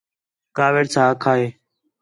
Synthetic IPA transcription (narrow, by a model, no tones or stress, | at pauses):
kaːʋeːɽsʰaːkʰaːeː